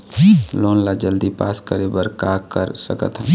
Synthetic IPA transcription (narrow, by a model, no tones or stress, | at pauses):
loːnlad͡ʒəld̪ipaːskəɾebəɾkaːkəɾsəkə̰t̪ɦɛ̃